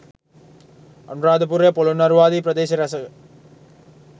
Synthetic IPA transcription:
ɐ̰nɾaːd̪ɯpuɾepɔlunɐɾʋaːðipɾɐd̪eːsɐɾɐsɐ

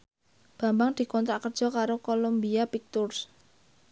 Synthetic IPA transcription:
b̥a̤mbaŋd̪̥i̤kɔnt̪ɾaʔkərd͡ʒʒ̥ɔ̤kaɾokolombiapik̚t̪ʊrs

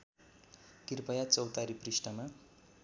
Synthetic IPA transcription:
kirpʌjat͡sʌwt̪aɾiprisʈʌma

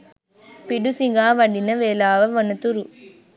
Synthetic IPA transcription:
piɽusiŋɡaːʋɐɖɪnɐʋeːlaːʋɐʋɐnɯt̪uɾu

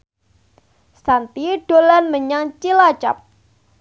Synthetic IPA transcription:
sant̪iɖ̥o̤lanməɲaŋt͡ʃilat͡ʃap̚

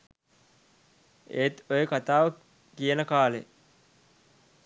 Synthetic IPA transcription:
ḛːt̪ojəkat̪aːʋə | kijənəkaːlḛ

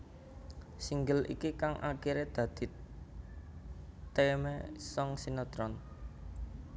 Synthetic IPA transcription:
siŋɡəlʔḭkikaŋʔa̰kiɾed̪̥ä̤d̪̥i̤t̪ | emɛsɔŋsinɔt̪ɾɔn

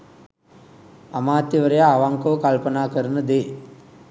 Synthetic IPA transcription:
ɐmaːt̪jɐʋəɾɐjaːʋaŋkoːkalpɐnaːkəɾɐnəd̪eː

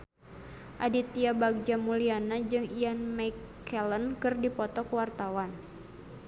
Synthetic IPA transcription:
ʔadit̪iabaɡ̚d͡ʒamulianad͡ʒɨŋianmajkː | ɛlənkɨrdipɔt̪ɔkəwart̪awan

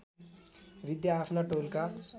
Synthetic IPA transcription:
ʋid̪jaːfnaʈolka

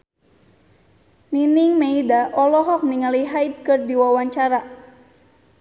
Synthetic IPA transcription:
niniŋmeidaʔɔlɔɦɔk̚niŋaliɦaid̚kɨrdiwawaɲt͡ʃaɾa

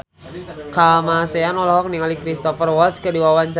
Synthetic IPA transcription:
kamaseanɔlaɦɔk̚nialikɾist̪ɔfərwɔt̪skədiwawaɲt͡ʃa

